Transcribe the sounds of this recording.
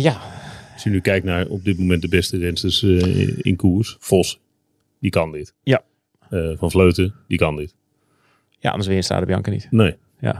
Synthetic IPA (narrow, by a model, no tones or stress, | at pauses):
jaɔsjənykɛjk̚narɔb̚dɪt̚momɛnt̚dəbɛstərɛnsəsɪ̰nkuərsfos | dikandɪtja | fɔnfløːtədikandɪt | ja̰ʔɑ̰ndəsʋɪːənsta̰ːdəbjɑ̰ŋkənḭtneː | ja̰